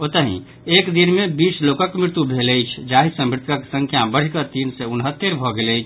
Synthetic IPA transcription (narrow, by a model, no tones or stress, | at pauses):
ot̪əɦḭ̃ | ekd̪inmebisʰlokəkmɾɪɾt̪ubʱeləjt͡ʃʰd͡ʒaɦisə̃mɾɪt̪ʰkəksə̃ŋkʰjabəɽ̤ikət̪insɛunɦət̪ːeɾbʱɔɡeləjt͡ʃʰ